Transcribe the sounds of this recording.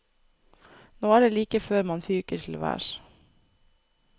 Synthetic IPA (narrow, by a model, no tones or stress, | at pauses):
noːæːɖeːliːkəføːɾmɑnfyːkəɾʈʰɪl̩̰ʋæ̰ːʃ